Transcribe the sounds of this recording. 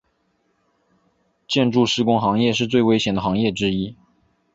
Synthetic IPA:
t͡ɕjɛ˥˧nʈ͡ʂu˥˧ʂɻ̩˥˧kʊ˥ŋxɑ˧˥ŋjɛ˥˧ʂɻ̩˥˧t͡swe˥˩ɪwe˥ɪɕjɛ˨˩nd̪əxɑ˧˥ŋjɛ˥˩ʈ͡ʂɻ̩˥i˥

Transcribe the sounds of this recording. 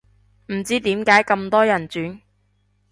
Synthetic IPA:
m̩˨˩t͡siː˥t̪iː˨˥mkaː˨˥jkɐ˧mt̪ɔː˥jɐ˨˩nt͡syː˨˥n

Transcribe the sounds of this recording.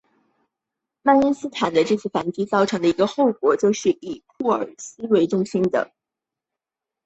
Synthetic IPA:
ma˥˧ni˥nsɹ̩˥t̪ʰa˨˩nd̪ə˦ʈ͡ʂɤ˥˧t͡sʰɹ̩˥˩fa˧˥nt͡ɕi˥t͡sɑ˥˩ʊʈ͡ʂʰɤ˧˥ŋd̪ə˧i˧˥ɡə˧xo˥˩ʊkwɔ˨˧˥t͡ɕjo˥˧ʊʂɻ̩˥˩i˨˩pʰu˥˩ə̰˞˨˩sɹ̩˥we˧˥ɪʈ͡ʂʊ˥˧ŋɕi˥nd̪ə̰˨

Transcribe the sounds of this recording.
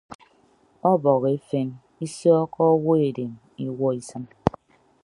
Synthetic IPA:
ɔ˦bɔ˨ɣe˦fe˦n | i˦sjɔ˦kɔ˦wo˦e˨de˨m | i˦wɔ˦i˨sɨ˦m

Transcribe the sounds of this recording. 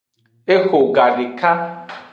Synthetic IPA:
e˦ho˨ɡa˨ɾɪ˨ka˦

